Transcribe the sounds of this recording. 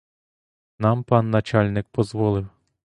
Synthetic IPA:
nɑmpɑnːɐt͡ʃɑlʲnɪk̚pɔzʋɔlˠɪw

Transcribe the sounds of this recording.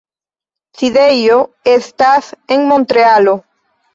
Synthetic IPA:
θiðejo | est̪aθeŋmõnt̪ɾealo

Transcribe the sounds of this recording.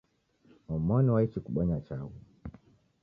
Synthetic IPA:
wɔmɔniwait͡ʃikuɓɔɲat͡ʃau

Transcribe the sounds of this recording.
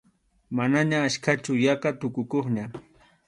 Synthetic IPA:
manaɲaːʃkat͡ʃʊjaqat̪ʊkʊkoχɲa

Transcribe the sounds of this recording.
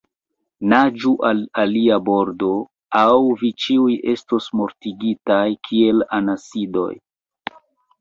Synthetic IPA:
nad͡ʒuʔalaliabo̞ɾdo̞ | awvit͡ʃiuje̞stosmo̞ɾtiɡitajkʰie̞lanasido̞̰j

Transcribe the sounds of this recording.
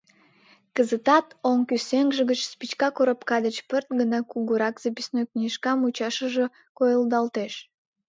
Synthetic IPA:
kəzət̪ɑt̪oŋkyseŋʒəɣət͡ɕspit͡ɕkɑkoɾəpkɑd̪ət͡ɕpərt̪̚ɡənɑkuɣuɾɑkz̥əpisnojknʲiʃkɑmut͡ɕɑʃəʒə̆ | kojəlˠd̪ɑlt̪eʃ

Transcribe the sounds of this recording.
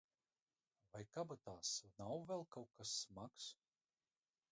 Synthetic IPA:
vajkabat̪aːsnawvɛlˠkawkasːmaks

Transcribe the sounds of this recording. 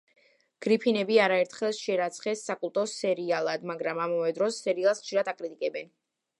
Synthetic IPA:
ɡ̥ɾipʰinɛbiaɾaɛɾt̪ʰχɛlˠʃɛɾat̪sʰχɛsːakʼulˠt̪ʼɔsɛɾialˠad̪maɡɾamamavɛd̪ɾɔsːɛɾialˠsχʃiɾad̪akʼɾit̪ʼikʼɛbɛn

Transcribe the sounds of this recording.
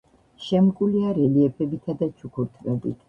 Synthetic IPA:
ʃɛmkʼuliaɾɛliɛpʰɛbit̪ʰad̪at͡ʃʰukʰuɾt̪ʰvɛbḭt̪ʰ

